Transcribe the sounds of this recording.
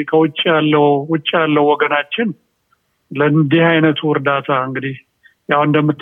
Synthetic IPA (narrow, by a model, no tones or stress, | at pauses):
kʰəwʊt͡ʃʼːijalːəhwʊt͡ʃʼːijalːəhwɔɡənat͡ʃːɪn | lənd̪ihajnət̪ʰuʊɾd̪at̪ʰaɨŋɡɨd̪ih | jawɨnd̪əmːɨt̪ː